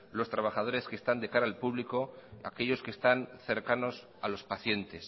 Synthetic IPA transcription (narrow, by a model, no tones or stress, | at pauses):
lo̞st̪ɾaβaxað̞o̞ɾe̞skeːst̪and̪e̞kaɾaːlpuβliko̞a̰ke̞ʎo̞skest̪anθe̞ɾkano̞s | alo̞spaθje̞nt̪e̞s